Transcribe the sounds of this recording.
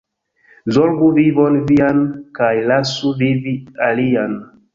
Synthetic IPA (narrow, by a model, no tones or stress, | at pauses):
zolɡuvivonviankajlasuvivialian